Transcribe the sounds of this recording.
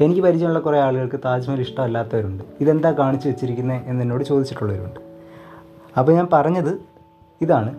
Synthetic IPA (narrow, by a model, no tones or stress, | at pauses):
e̞nikʲːɨpɐɾit͡ɕːɐmuɭːɐkureaːɭuɣɐɭkɨt̪aːd͡ʑmɐliʂʈɐmɐlːaːt̪ːɐʋɐɾuɳɖɨiðe̞nd̪aːkaːɳit͡ɕːuʋet͡ɕːiɾikʲːunːɐenːɐnːo̞ːɽɨt͡ɕo̞ːd̪it͡ɕːiʈːuɭːɐʋɐɾuṵɳɖɨ | ɐpːoɲaːnpɐrɐɲːɐðɨ | iðaːɳɨ